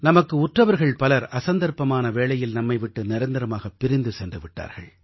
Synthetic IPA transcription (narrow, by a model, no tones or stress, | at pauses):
nɐmɐkːɯʊʈrɐʋɐɾɣɐɭpɐlɐɾɐsɐnd̪ɐɾpɐmaːnɐʋeːɭɐjɪlnɐmːɐɪʋɪʈːɯnɪɾɐnd̪ɐɾɐmaːɣɐpːɪɾɪnd̪ɯsɛndrɯʋɪʈːa̰ːɾɣɐ̰ɭ